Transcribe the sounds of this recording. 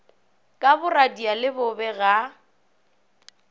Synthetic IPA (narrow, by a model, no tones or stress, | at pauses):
kʼabʊradialɪbʊbɛɣa